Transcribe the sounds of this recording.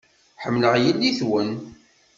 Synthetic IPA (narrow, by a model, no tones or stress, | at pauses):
ħəmːləʁjəlːiθwən